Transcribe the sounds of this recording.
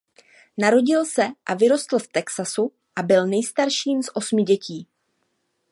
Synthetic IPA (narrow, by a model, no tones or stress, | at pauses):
naɾo̞ɟɪlsɛʔavɪɾo̞st̪l̩ft̪ɛksasu | ʔabɪlnɛjst̪aɾʃiːmzʔo̞smɪɟɛcʰiː